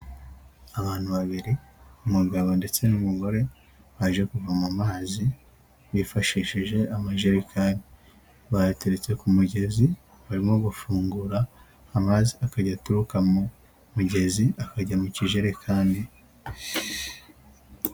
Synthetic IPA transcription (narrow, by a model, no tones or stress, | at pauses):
aβaːn̥huβaβiɾiumuɡaβo̞nde̞t͡se̞numuɡo̞ɾe̞ | βaʒe̞kuvamamaːzi | βifaʃiʃiʒe̞amaʒeɾikʰaːndi | βajateɾet͡se̞kumuɟe̞zi | βaɾimo̞ɡufuːŋɡuɾaː | maːziakaɟatuɾukamu | muɟe̞ziakaɟamuciʒeɾekʰaːndi